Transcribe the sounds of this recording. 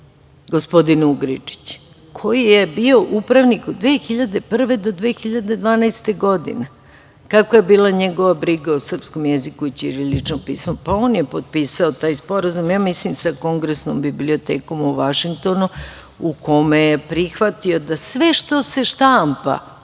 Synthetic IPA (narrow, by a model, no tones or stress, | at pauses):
ɡospo̞d̪inuɡɾit͡ʂi̥t͡ɕ | kʰo̞jijebio̞ʔupɾaʋnikod̪ʋeːxiʎad̪e̞pr̩ʋe̞d̪o̞d̪ʋeːxiʎad̪e̞d̪ʋaːnajst̪e̞ɡo̞d̪ḭne | kakʋoje̞biːlˠaɲeɡo̞ʋabɾiɡaosr̩psko̞mjezikuit͡ɕiɾilit͡ʃnopḭːsmopaoːnjepod̪̚piːsaot̪aːjspo̞ɾazumjaːmislimsako̞ŋɡɾesnombiblio̞t̪eːko̞muʋaʃiŋk̚t̪o̞nu | ukʰo̞mejepɾixʋat̪io̞d̪asʋeʃt̪o̞se̞ʃt̪ampa̰